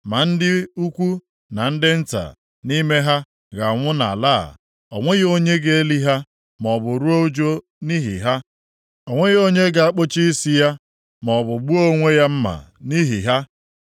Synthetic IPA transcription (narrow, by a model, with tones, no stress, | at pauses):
ma˨n̩˦dɪ˦u˦kʷu˦ | na˨n̩˦dɪ˦n̩˦ta̰˨ | ni˦me˦ɦa˦ | ɣa˨ŋʷʊ˦na̰˨la̰ː˦˨ | ɔ˨ŋʷe˦ɣo˦ɲe˦ɡe˨˦e˦li˦ɦa˦ | mɔ˨bʊ˨ɾu˦o˦u˦d͡ʒo˦ | ni˦ɦḭ˨ɦa˦ | ɔ˨ŋʷe˦ɣo˦ɲe˦ɡa˨a˦k͡po˦t͡ʃi˦i˦si˦ja˦ | mɔ˨bʊ˨ɡ͡bu˦o˦ŋʷe˦ja˦m̩˦ma̰˨ | ni˦ɦḭ˨ɦa˦